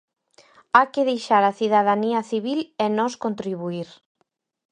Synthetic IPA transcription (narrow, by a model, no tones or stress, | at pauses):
akeðejʃaɾaθiðaðaniɐθiβilɛnɔskont̪ɾiβ̞uiɾ